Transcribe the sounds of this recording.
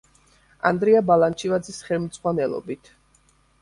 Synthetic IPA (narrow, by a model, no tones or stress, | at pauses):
a̰nd̪ɾiabalant͡ʃʰivad̪zisχɛlˠmd̪zʁwanɛlˠɔ̰bit̪ʰ